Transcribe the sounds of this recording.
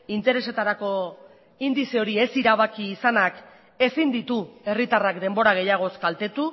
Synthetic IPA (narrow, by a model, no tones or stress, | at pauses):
int̪e̞ɾe̞se̞t̪aɾako̞ | ind̪iseo̞ɾie̞siɾaβ̞akiːsanak | e̞sind̪it̪ue̞rit̪arakd̪e̞mbo̞ɾaɣ̞e̞jaɣ̞o̞skalt̪e̞t̪u